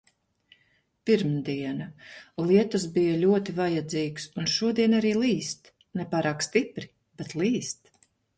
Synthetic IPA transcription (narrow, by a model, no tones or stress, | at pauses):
piɾmd̪iɛnalˠiɛt̪usbijalʲuɔt̪ivajad̪ziːɡsunʃuɔd̪iɛnaɾiːlˠiːst̪ | nɛpaːɾaːkst̪ipɾi | b̥ɛt̪lˠiːst̪